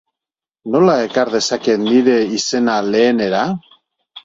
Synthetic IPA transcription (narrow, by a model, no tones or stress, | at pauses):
no̞laekaɾð̞e̞sake̞t̪niɾe̞ise̞nale̞ːne̞ɾa